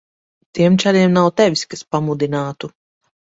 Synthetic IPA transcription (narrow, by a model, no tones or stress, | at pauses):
t̪iɛmt͡ʃaɾiɛmnawt̪ɛvʲiskaspamud̪inaːt̪u